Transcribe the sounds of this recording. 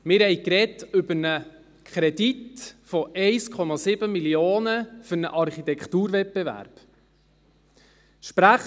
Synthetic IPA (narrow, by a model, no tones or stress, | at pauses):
mɪɾhɛjkɾɛtʏbənə | kʰχɾɛditfɔʔɛɪskʰɔmɑsɪbəmiljoːnəfʏɾnə̰ʔɑɾχit̪ɛkt̪uːɾvɛt̚b̥evæ̰ɾb̥ | ʃpɾæχ